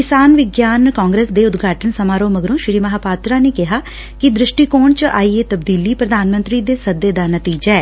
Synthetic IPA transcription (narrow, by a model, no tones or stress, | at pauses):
kɪsaːnʋɪɡjaːnkaːŋɡɾeːsd̪eːʊt̪ɡʱaːʈənsəmaːɾoːməɡɾõːʃɾiːməɦaːpaːt̪ɾaːneːkɪɦaː | kɪd̪ɾɪʃʈiːkoːɳt͡ʃaːiːeːt̪əbd̪iːliːpɾəd̪aːnmə̃nt̪ɾiːd̪eːsəd̪ːeːd̪aːnət̪iːd͡ʒaɛː